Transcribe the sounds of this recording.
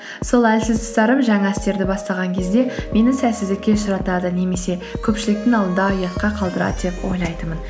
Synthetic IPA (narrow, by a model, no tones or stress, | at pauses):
solˠælsɪzd̪ɪsst̪ɑɾəmʒɑŋɑɪst̪e̞ɾd̪ɪbɑst̪ɑʁɑŋkʲʰe̞zd̪e̞me̞nɪsæsɪzd̪ɪkʲːe̞sʃʊɾɑt̪ɑd̪əne̞me̞se̞kʲʰɵpʃɪlɪk̚t̪ɪŋɑlˠd̪ənd̪ɑːjɑt̪̚qɑqʰɑlˠd̪əɾɑ̰d̪d̪e̞pwo̞̰jlˠɑjt̪əmən